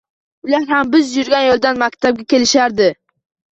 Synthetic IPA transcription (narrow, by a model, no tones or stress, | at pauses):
ʊlaɾhambɪzjʊɾɡʲanjolˠd̪anmakʲt̪ʰab̚ɡʲakʲe̞lɪʃaɾd̪ɪ